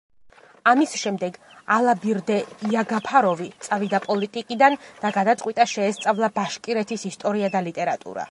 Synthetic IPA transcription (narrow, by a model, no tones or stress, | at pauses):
amisʃɛmd̪ɛɡ | alˠabiɾd̪ɛiaɡapʰaɾɔvit̪sʼavid̪apʼɔlit̪ʼikʼid̪and̪̥aɡad̪at̪sʼqʼwit̪ʼaʃɛːst̪sʼavlˠabaʃkʼiɾɛt̪ʰisist̪ʼɔɾiad̪alit̪ʼɛɾat̪ʼṵɾa̰